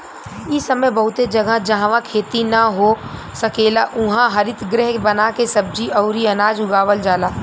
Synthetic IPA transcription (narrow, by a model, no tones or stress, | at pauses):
isɐməjbɐɦʊt̪ed͡ʒɐɡad͡ʒɐɦãʋãkʰeːt̪inaɦo | sɐkeːlaʔʊ̃ɦãɦɐɾɪt̪ɡɾɪɦbɐnakesɐb̚d͡ʒiʔɐːɾiɐnaːd͡ʒʊɡaːʋəld͡ʒaːlaː